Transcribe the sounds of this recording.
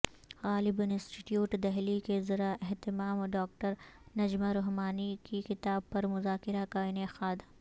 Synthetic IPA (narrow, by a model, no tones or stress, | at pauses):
ɣaːlɪbʊnɪ̃sʈɪʈjuːʈd̪ɛɦlikezɐɾaʔɛɦt̪ɪmaːmɖaːk̚ʈəɾnɐd͡ʒmaɾʊɦmaːnikikɪt̪aːb̚pɐɾmʊzaːkɪɾakaɪnexaːd̪